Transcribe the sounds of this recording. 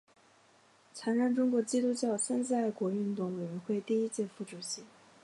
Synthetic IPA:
t͡sʰa˧˥nɻa˥˩ŋʈ͡ʂʊ˥ŋkwɔ˧˥t͡ɕi˥t̪u˥t͡ɕjɑ˥˩ʊsə˥nt͡s̩˥a˥˩ɪkwɔ˧˥y˥˧nt̪ʊ˥˩ŋwe˨˩ɪɥɛ˧˥nxwe˥˧ɪt̪i˥˧i˥t͡ɕjɛ˥˧fu˥˩ʈ͡ʂu˨˩ɕi˧˥

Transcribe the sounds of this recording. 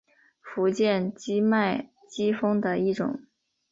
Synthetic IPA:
fu˧˥t͡ɕjɛ˥˩nt͡ɕi˥ma˥˩ɪ | t͡ɕi˥fɤ˥ŋd̪ə˨i˥˩ʈ͡ʂʊ̰˨˩˦ŋ

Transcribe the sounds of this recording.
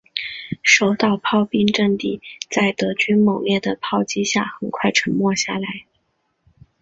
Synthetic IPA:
ʂo˥˩ʊt̪ɑ˥˩ʊpʰɑ˥˧ʊpi˥ŋʈ͡ʂə˥˧nt̪i˥˩t͡sa˥˩ɪt̪ɤ˧˥t͡ɕy˥nmɤ˨˩ŋjɛ˥˩d̪ə˩pʰɑ˥˧ʊt͡ɕi˥ɕja˥˩xə˨˩nkʰwa˥˩ɪʈ͡ʂʰɤ˧˥nmwɔ˥˧ɕja̰˥˩la˧˥ɪ

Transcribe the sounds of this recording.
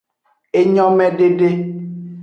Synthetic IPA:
e˦ɲɔ̃˦mɛ̃˦ɖe˦ɖe˦

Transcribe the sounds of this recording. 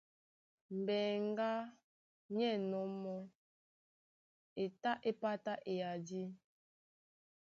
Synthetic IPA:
m̩˨bɛ˨ŋ˦ɡa˦ | ɲɛ˦˨nɔ˨˦mɔ˦ | e˨ta˦ʔe˦pa˦ta˦ʔe˨ja˨di˦

